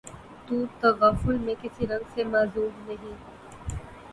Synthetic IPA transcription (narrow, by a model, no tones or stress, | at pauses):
t̪uːt̪ɐʋaːfʊlmẽkɪsiɾɐ̃ŋɡsemaːzuːmnɐɦĩ